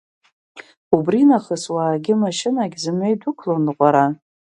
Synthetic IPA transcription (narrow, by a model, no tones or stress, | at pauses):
ubrinaχəswaːɡʲɪmaʃɪnaɡʲzɨmejdʷʊkʰlonɨqʷʼaɾa